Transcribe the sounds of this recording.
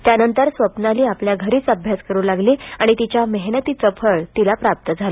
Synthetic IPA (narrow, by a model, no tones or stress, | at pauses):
t̪janənt̪əɾsʋəpnaliːapljaɡʱəɾiːt͡səbʱjaskəɾuːlaɡliaɽ̃it̪it͡ɕjaməɦnət̪iːt͡səfʰəɭt̪ilapɾap̚t̪əd͡zʱalo